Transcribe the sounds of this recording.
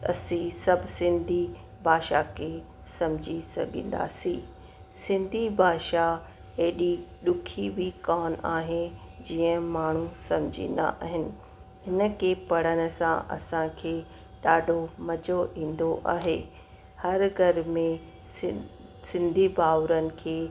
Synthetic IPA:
ɐ̰sĩsɐbʱɪsɪ̃nd̪ʱi | bʱaːʃakʰeː | sɐ̃md͡ʑʱisɐ̰ɡʱḭ̃ːn̆d̪a̰ːsĩː | sɪ̃nd̪ʱibʱaːʃa | eːɗiɗʊkʰibʱɪkaːnaːɦed͡ʑiːə̃maːɳ̤ũsɐ̃md͡ʑʱḭ̃ːn̆d̪a̰ʔaːɦɪnɪ̆ | hɪnə̆keːpɐɽ̤ənɪ̆sã̰ʔɐ̰sãkʰeː | ɗaːɖʱomɐd͡ʑoʔĩːn̆d̪oʔa̰ːɦeː | hɐɾɡʱɐɾmẽ | ɪ | sɪ̃nd̪ʱibaːʋɾənɪ̆kʰeː

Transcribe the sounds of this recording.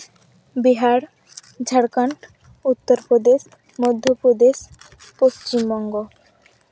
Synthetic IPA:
biɦaɾ | d͡ʑʱaɽkaɳʈ | ut̪ːoɾpɾod̪eʃ | mod̪ʱːopɾod̪eʃ | post͡ɕimbɔŋɡo

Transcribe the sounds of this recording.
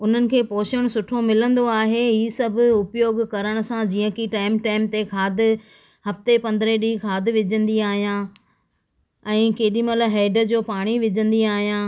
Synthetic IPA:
ʊn̤ənɪ̆kʰeːpɔːʃəɽ̃sʊʈʰomɪlə̃nd̪oaːɦeɦiːsɐbʱʊ̆ʊpjoːɡkɐɾəɽ̃ʊ̆sãd͡ʑiːə̃kiʈaːɪmʈaːɪmt̪ekʰaːd̪ɪ̆ | hɐft̪epɐ̃nd̪ɾeɗiːkʰaːd̪ɪʋɪd͡ʑə̃nd̪iaːɦijã | ɛ̃ːkeːɗĩmɐlɦɛːɖə̆d͡ʑoːpaːɽ̃iʋɪd͡ʑə̃nd̪iaːɦijãː

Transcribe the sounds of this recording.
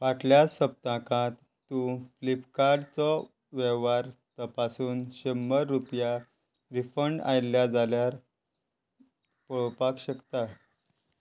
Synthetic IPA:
ʋaʈljasəp̚t̪ãkãt̪ːũflipkaɾɖt͡sɔ | ʋeʋaɾt̪əpasuːnɕəmːəɾːupja | ɾifəɳɖa̰jljad͡zaljaɾ | pəɭpakɕəkt̪a

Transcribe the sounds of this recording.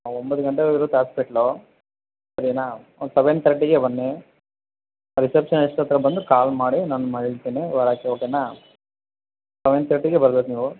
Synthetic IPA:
ombɐd̪uɡɐɳʈeiɾut̪aːspeʈloː | sɐɾinaː | sɐʋent̪ɾɐʈːiɡebɐnːe | ɾisepʂɐniʂʈɐt̪ːɾɐbɐnd̪ukaːlmaːɽinaːnːumɐɭiɭt̪eːneʋɐɾaːkeokena | sɐʋent̪ɾɐʈːiɡebɐɾɐbek̪niːʋu

